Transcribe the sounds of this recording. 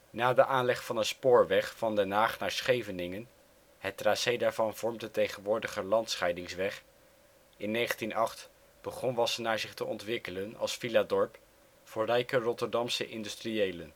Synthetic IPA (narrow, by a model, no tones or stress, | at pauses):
naːdəʔaːnlɛχfɑnənspʊːɹʋɛχfɑndɛnɦaːχnaːɹsχejvənɪŋən | hətraːsejdaːɹvɑnv̥ɔɹmdətejχənʋʊːɹdəχəlɑntsχɛjdɪŋsʋɛχ | ɪnːejχəntinɑχt | b̥əχɔnʋɑsənaːɹzɪχtəʔɔntʋɪkələnɑ̰lˠsfiladɔɹp | fʊːɹrɛjkərɔtəɹdɑmsə̰ʔɪndystriejlən